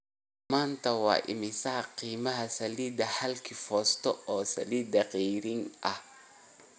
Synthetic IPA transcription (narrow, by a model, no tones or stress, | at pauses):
maːnt̪ʰɐwɑ̰ːʔɪ̰mɪsɐɦɐqiːmɐɦɐsɐliːd̪ɐħɐlkʰifɔːst̪ʰɔɔːsɐ̰liːd̪ɐqɛjɾɪnʔɐh